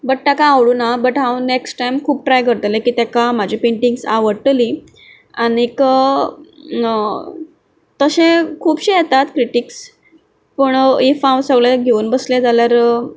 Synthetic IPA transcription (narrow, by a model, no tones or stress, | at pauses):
bəʈ̚ʈ̪akaːʋɽuːnabəʈɦãwneksʈʈajmkʰuːp̚ʈɾajɡəɾt̪lẽkiːt̪akam̤ad͡ʑʱipeɳʈiŋɡsa̰ʋəɽʈli | aniek | t̪əɕẽkʰuːbɕijet̪at̪kɾiʈiks | pəɳifãwnsəɡɭeɡʱeuːnbəslẽd͡zaljaɾ